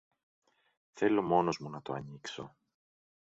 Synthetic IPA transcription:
θe̞lo̞mo̞no̞zmunɐt̪o̞̰ɐ̰nikso̞̰

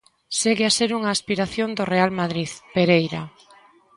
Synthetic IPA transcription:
seɣeaseɾuŋaːspiɾaθjõnd̪orealmaðɾiðpeɾejɾa̰

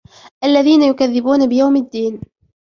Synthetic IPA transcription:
ʔalːaðiːnajʊkaðːɪbuːnabɪjawmɪd̪ːiːn

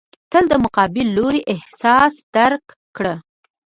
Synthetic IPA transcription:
t̪əld̪əmʊqɑbɪlːoɾiʔɪhsɑsd̪̥aɾkːɽə

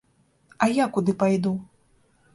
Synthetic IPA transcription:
ɐjakud̪ɨpajd̪u

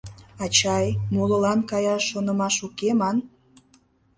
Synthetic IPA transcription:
ɑt͡ɕɑjmoləlɑnkɑjɑʃːonə̆mɑʃukemɑn

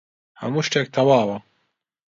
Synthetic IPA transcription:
hɐ̰muːʃʈɛk̚t̪ʰɐwaːwɐ

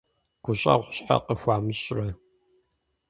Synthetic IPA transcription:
ɡ̥ʷʊɕʼɐ̰ʁʷɕʼħa̰qəxʷaːmɨɕʼrɐ

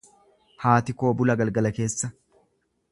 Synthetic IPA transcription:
haːt̪ɪko̞ːbʊlɐɡɐlɡɐlɐke̞ːsːɐ

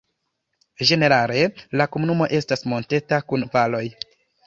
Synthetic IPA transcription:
d͡ʒe̞ne̞ɾale̞lakomunumo̞ʔe̞stasmo̞nte̞takunvalo̞j

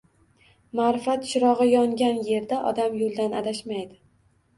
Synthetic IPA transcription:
maɾɪfat̪ʃɪɾɒʁɨjɒŋɡʲanje̞ɾd̪aʔɒ̰d̪amjolˠd̪ana̰d̪aʃmajd̪ɪ

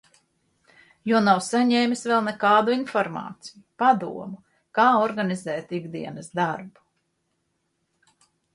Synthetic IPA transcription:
juɔnawsaɲɛːmʲisvɛlˠnɛkaːd̪uinfɔɾmɑ̰ːt̪sijupad̪uɔmu | kaːɔɾɡanizɛːt̪iɡd̪iɛnɨsd̪aɾbu̥

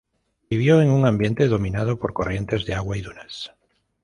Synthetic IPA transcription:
biβjoeŋuŋãmbje̞nt̪e̞ðo̞mĩnað̞opo̞ɾko̞rje̞nt̪e̞zðeaɣwaiðunas

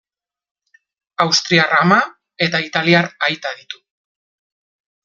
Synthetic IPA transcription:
awst̪ɾiarama | e̞t̪ait̪aliaɾajt̪aðit̪u̥

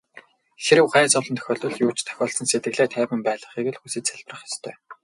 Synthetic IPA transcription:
xeɾɘ̆wɢæːt͡sɔɮɞ̆nt̪ʰœ̥xʲɔːɮt̪ɞ̆ɮxjuːt͡ɕt̪ʰœ̥xʲɔːɮsɞ̆nset̪ɡɘ̆ɣɮeːt̪ʰæːpɘ̆mpæːɮə̆χiːɣɘ̆ɮxusĕt̪t͡sæɮp̆rə̆χjɔst̪ʰœ̰ː

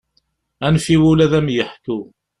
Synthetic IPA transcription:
ænfiwulæðæmjəħku

